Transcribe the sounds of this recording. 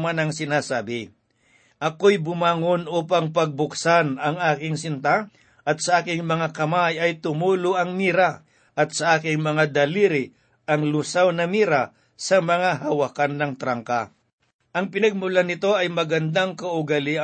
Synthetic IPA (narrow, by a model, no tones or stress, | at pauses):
manɐŋsɪnaːsaːbɪ | ʔɐkojbʊmaːŋonopɐŋpɐɡ̚bʊksanɐŋaːkɪŋsɪnt̪a | ʔɐt̪̚sɐʔaːkɪŋmɐŋakɐmajɐjt̪ʊmuːlʊʔɐŋmiːɾa | ʔɐt̪̚sɐʔaːkɪŋmɐŋad̪ɐliːɾɪ | ʔɐŋlʊsawnɐmiːɾa | sɐmɐŋaɦɐwakanːɐŋt̪ɾaŋka | ʔɐŋpɪnɐɡ̚mʊlanɪt̪o̞ʔɐjmɐɡɐnd̪aŋkɐʊɡali